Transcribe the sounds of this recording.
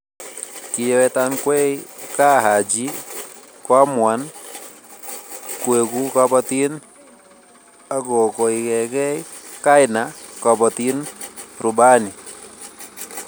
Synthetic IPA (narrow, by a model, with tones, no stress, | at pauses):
kɪ˧jɛ˦wɛ˧ta˦nkwɛ˦ka˦ɦa˨d͡ʒi˦ | kɔa˦mwa˨n | kwe˨ku˦ka˧bɔti˦n | a˦ɡɔ˨kɔ˨i˨kɛ˨kɛ˦ka˦ɪna˨ka˨bɔ˨ti˦nɾʊ˨ba˦ni˨